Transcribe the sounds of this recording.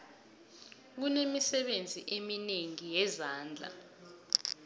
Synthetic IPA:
k̬unemisɛɓend͡zʱiʔemineŋijɛzaːnd͡ɮʱa̰

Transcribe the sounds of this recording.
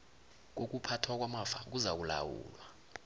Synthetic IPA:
k̬ok̬ʼupʰatʰwak̬ʼwamafa̰k̬uzak̬ula̰wṵːlwa

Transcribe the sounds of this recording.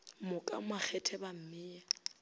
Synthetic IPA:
mʊkʼa̰mak͡xʰɛtʰɛbam̩mɪːa

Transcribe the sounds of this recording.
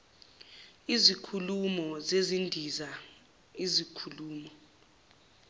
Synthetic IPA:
izikʰulumɔzezindʱiza | izikʰuluːmɔ

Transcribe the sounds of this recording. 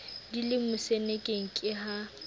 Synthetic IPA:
dilɪmʊsenekʼeŋ̩kʼɪɦa

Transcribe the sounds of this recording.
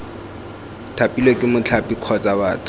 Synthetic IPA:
tʰapʼilokʼɪmʊt͡ɬʰapʼikʰɔt͡sʼawaːtʰʊ̥

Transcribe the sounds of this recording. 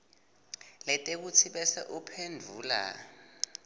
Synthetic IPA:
lɛtʼek̬ut͡sʰiɓɛsaʔupʰendʱuːla̰

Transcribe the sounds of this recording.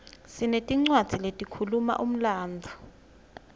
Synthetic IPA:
sinetʼiŋ͡ǀwad̥z̥ʱiletʼikʰuluma̰ʔum̩laːnd͡zʱa

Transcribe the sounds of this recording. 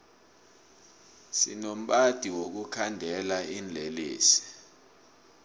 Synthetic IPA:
sḭnom̩ɓad̥ʱiwok̬ukʰandʱɛlaind͡ɮʱeliːsi̥

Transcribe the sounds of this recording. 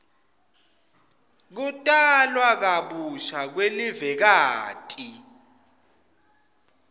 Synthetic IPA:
k̬utʼalwak̬aɓuʃak̬welivɛk̬aːtʼi

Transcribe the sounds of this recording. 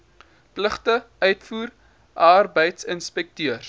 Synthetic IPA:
pləχtə | œɥtfuːr | ʔarbəjtsənspɛk̚tyərs

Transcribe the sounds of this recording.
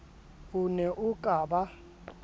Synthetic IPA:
unɛʔukʼaːɓa

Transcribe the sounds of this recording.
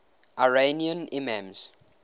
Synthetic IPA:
ʔaɹeniə̃nimɛ̃ms

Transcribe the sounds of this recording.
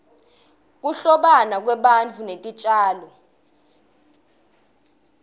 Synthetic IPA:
k̬uɬɔɓanak̬wɛɓant͡fʰunetʼit͡ʃʼaːlɔ

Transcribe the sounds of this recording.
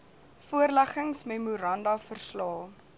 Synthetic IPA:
fuərlæχəŋsmemuɾɐndɐfərslɑː

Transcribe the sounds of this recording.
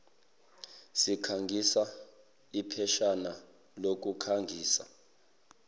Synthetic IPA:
sikʰaŋɡʱisa | ipʰɛʃana | lok̬ʼukʰaŋɡʱiːsa̰

